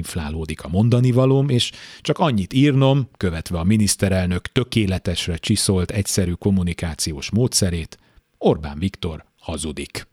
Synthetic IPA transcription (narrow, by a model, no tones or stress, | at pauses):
ɱfla̰ːloːd̪ikɒmo̞nd̪ɒnivɒloːmeːʃt͡ʃɒkɒɲːit̪iːrno̞mkø̞vɛt̪ʋɛɒminist̪ɛɾɛlnø̞kt̪ø̞keːlɛt̪ɛʃrɛt͡ʃiso̞lt̪ɛcsɛɾyko̞munikaːt̪sijoːʃmoːt̪sɛɾeːt̪ | orba̰ːnvikt̪o̞r | hɒzud̪ik